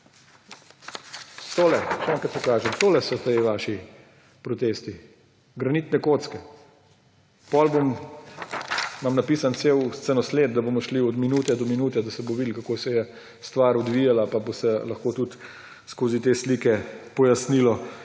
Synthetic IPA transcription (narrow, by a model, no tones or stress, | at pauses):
t̪oːlɛʃɛɛːŋkɐt̪pokaːʒɛmt̪oːlɛsɔt̪eʋaːʃi | pɾɔt̪eːst̪i | ɡɾɐniːt̪nɛkoːt̪skɛ | pɔlbom | mamnɐpiːsant̪seːwst̪sənɔsleːd̪̚d̪aboːmɔʃliɔd̪minuːt̪ɛd̪ɔminuːt̪ɛd̪asɛboʋid̪lkakoːsɛjɛ | st̪ʋaɾɔd̪ʋijalapabosɛlɐxkoːt̪ut̪ | skoːzit̪eːslikɛpɔjasnilɔ